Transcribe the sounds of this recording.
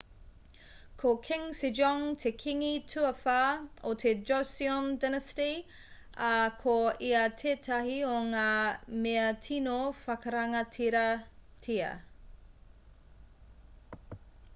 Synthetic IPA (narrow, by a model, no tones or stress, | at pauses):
kʰokʰɪŋsid͡ʒɔŋtʰekʰiŋitʰuɐfaot̪ʰed͡ʒosiondɛnɐsti | ɐkʰoiɐtʰeːtʰɐɦioŋaːmeɐtʰinofɐkɐɾɐŋɐtʰiɾɐtʰiɐ̰